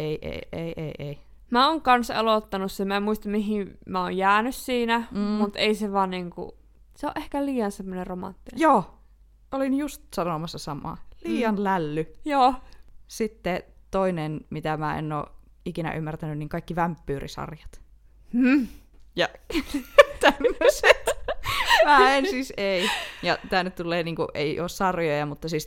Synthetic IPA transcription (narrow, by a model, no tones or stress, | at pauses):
eiʔḛieiʔḛiʔei | mæoːŋkɑnsḛlot̪ːɑnussemæemmuist̪ɑmiɦimæo̰ːjjæːnyssiːnæmut̪eiseʋɑːnniːŋkṵ | seoʔehkæliːjɑnsemːoneromɑ̰nt̪ːinjoː | ʔolinjust̪sɑnomɑsːɑsɑmɑ̰ːliːjɑnlælːyjoːsit̪ːet̪oinenmit̪æmæːḛnːo̰ːʔ | ikinæ̰ʔymːært̪ænynniːŋkɑˑikːiʋæmpːyːrʔḭsɑ̰rjɑt̪ | m̩ː | jɑ | t̪æmːøset̪ | mæːensiseijɑt̪æːnːyt̪t̪ulːˑeːniːŋkṵʔeiʔoːssɑrjojɑmut̪ːɑsiːs